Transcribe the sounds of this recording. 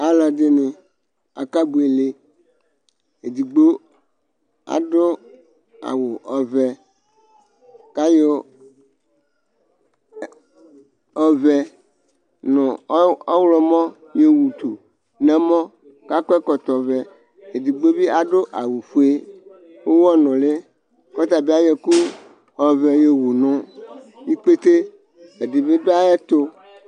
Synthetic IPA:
a˦la˨d̪ɪ˦nɪ˨ | a̰˨ka˦bu˨e˨le˦ | e˨d̪i˨ɡ͡bo˦ | a̰˨ɖʊ˦ | a̰˨wʊ˨ʔɔ˨vɛ˨ | ka˦jo˦ | ɔ˦vɛ˦ | nʊ̃˨˦ɔ˦wlɔ˦mɔ̃˦ | je˦wu˨t̪u˨ | nɛ̃˦mɔ̃˦ | ka˦kɔ˦ɛ˦kɔ˨t̪ɔ˨vɛ˨ | e˨di˨ɡ͡be˦bi˦a˨ɖo˦ʔa˨wu˨fu˦e˦ | wo˦wɔ˦nɔ̃˨le˦ | kɔ˦t̪a˨bi˦a˦je˨ku˦ | ɔ˨vɛ˨je˨wu˨nɔ̃˦i˦k͡pe˦t̪e˦ | e˨di˨be˦do˦a˦e˦t̪o˦

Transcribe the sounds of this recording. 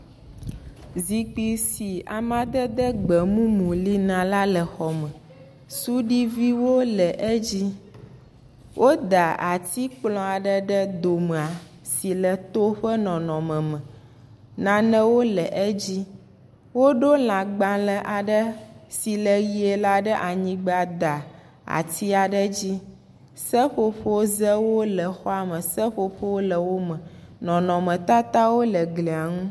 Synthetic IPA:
zi˨k͡pi˨si˨a˨mã˦d̪ə˦d̪ɛ˦ɡ͡bɛ˨mũ˦mũ˨li˦nã˨la˦lə˨xɔ˨mə̃˨ | su˦ɖi˦vi˦wo˦lɛ˨ʔɛ˦d͡ʑi˦ | wʔo˦d̪a˨a˨t̪i˦k͡plɔ̃˦a˨ɖə˦ɖə˦d̪o˨mɛ˨a˨ | si˨lɛ˨t̪o˦ɸə˦nɔ̃˨nɔ̃˨mɛ̃˨mɛ̃˨ | nã˨nə̃˦wo˦lə˨ʔɛ˦d͡ʑi˦ | wo˦ɖo˦l̃ã˨ɡ͡bã˨lə˨ʔa˨ɖə˦si˨lə˨ɣi˦e˨la˦ɖə˦ʔa˨ɲĩ˦ɡ͡ba˨d̪a˨ | a̰˨t̪i˦a˨ɖə˦d͡ʑi˦ | sə˦ɸo˨ɸo˦zə˦wo˦lə˨xɔ˦a˨mə̃˨sə˦ɸo˨ɸo˦wo˦lə˨wo˦mə̃˨ | nɔ̃˨nɔ̃˨mə̃˨t̪a˦t̪a˦wo˦lə˨ɡlɛ˨a˨ŋũ˦

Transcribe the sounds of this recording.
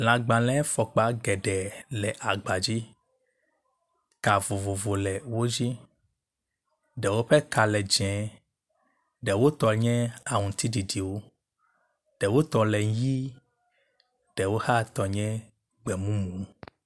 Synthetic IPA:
lã˨ɡ͡bã˨lɛ̃˦fɔ˨k͡pa˨ɡɛ˨ɖɛ˨lɛ˨ʔa˨ɡ͡ba˨d͡ʑi˦ | ka˨vo˨vo˨vo˨lɛ˨wo˦d͡ʒi˦ | ɖɛ˨wo˦ɸɛ˦ka˨lɛ˨d͡ʒɛ̃˨ | ɖɛ˨wo˦t̪ɔ˨ɲɛ̃˦a˨ŋũ˨t̪i˦ɖi˨di˨wo˦ | ɖ̥ɛ˨wo˦t̪ɔ˨lɛ˨ŋ˦ji˦ | ɖ̥ɛ˨wo˦ha˦t̪ɔ˨ɲɛ̃˦ | ɡ͡bɛ˨mũ˦mũ˨˦

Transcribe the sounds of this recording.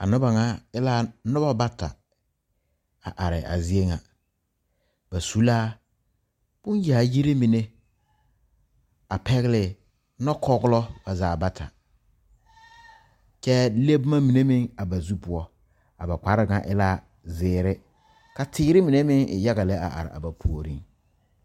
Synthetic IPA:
a̰˨nʊ˦ba˨ŋa˦ɪ˦laː˦nʊ˦ba˦ba˦ta̰˨ | a˨ʔa˨ɾɪ̰˨a̰˨zi˦e˦ŋa˨ | ba˨su˦laː˦ | b̥ʊ˦n˦ja˨ji˦ɾe˦mi˨ne˦ | a˨pɛ˦ɣɪ˦lɪ˨ | nɔ˦kʰɔ˦ɡʊ˦lɔ˦b̥a˨zaː˨ba˦tʰa̰˨ | t͡ʃɛ˦le˦bʊ˦ma˦mi˨ne˦mɪ˦ŋa˨ba˨zu˦pʊ˨˦ɔ˦ | a˨ba˨k͡pa˨ɾɪ˦ŋa̰˨ʔɪ̰˦la˦ | zɪː˨ɾɪ˦ | ka˨tʰɪː˦ɾɪ˦mi˨ne˦mɪ˦ŋɪ̰˨ja˦ɣa˨lɛ˦a̰˨ʔa̰˨ɾɪ̰˨a̰˨ba˨pʰu˨o˨ɾi˦ŋ

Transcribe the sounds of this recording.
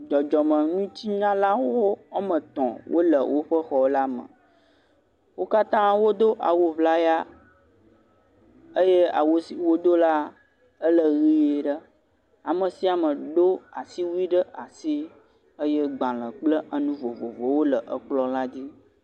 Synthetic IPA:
d͡ʒɔ˨d͡ʒɔ˨mə̃˨nũ˦t͡ɕi˦ɲã˦la˦wwo˦a˦mə̃˨t̪ɔ̰̃˨wʔo̰˦lə˨wʔo˦ɸə˦xɔ˦wo˦la˦mə̰̃˨ | wo˦ka˦t̪ã˦wo˦d̪o˦ʔa̰˨wo˦vla˦ja˦ | ə˦je˦a̰˨wo˦si˨wo˦d̪o˦la˦ | ə˦lə˨ɣi˦je˨ɖə˦ | a˨mə̃˨si˦a˨mə̃˨ɖo˦a˨si˦wu˦i˦ɖə˦ʔa˨si˦ | ə˦je˦ɡ͡bã˨l̃ə̃˨k͡plə˦ə˦nũ˦vo˨vo˨vo˨wo˦lə˨ʔə˦k͡plɔ˦la˦d͡ʑi˦

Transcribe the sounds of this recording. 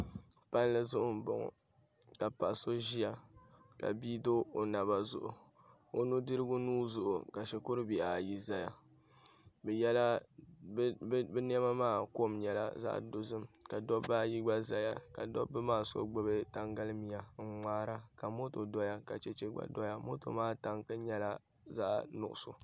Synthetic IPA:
pa˦n˦lɨ˦zʊ˦ʔʊ˦n̩˨bo̰˨ŋɔ̰˨ | ka˨pa˨so˦ʒi˦a˨ | ka̰˨biː˦do˦o˨na˨βa˨zʊ˦ʔʊ˨ | o˦nu˦dɨ˦ɾɨ˦ɡʊ˦nuː˦zʊ˨ʔʊ˨ka˨ʃɛ˨ko˦ɾɨ˦bi˨ʔa˨ji˨za˨ja˨ | bɛ˨jɛ˦la˦ | bɛ˦ni˦ɛ˦ma˦maː˦˨ko˦˨mɲɛ˨la̰˦za̰˦ʔdo˨zɨ˦mka˨dɔ˦bːaː˦˨ji˦ɡ͡ba˦za˨ja˨ka̰˨dɔ̰˦bɨ˦maː˦˨so̰˦ɡ͡bɨ˦bɨ˦ta˦ŋɡa˦lɨ˦mi˨ja˨ŋ̩˨ŋ͡maː˦ɾa˦ka˨mo˦to˨dɔ˦ja˦ka˨t͡ʃɛ˦t͡ʃɛ˦ɡ͡ba̰˨dɔ˦ja˦mo˦to̰˨maː˦˨ta˨ŋkɨ˦ɲɛ˦la˦ | za̰˦ʔnʊ̰˨ʔʊ˨so˨

